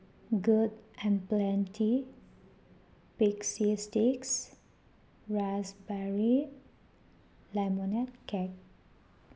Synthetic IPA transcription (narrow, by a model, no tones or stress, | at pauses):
ɡudɛ̃nplɛ̃ntʰi | piksistiks | ɹasbɛɹi | lamɔnɛt̚kɛk̚